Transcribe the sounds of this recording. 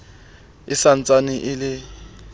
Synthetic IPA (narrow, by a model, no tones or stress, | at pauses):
ɪsan̩t͡sʼanɪʔɪlɪ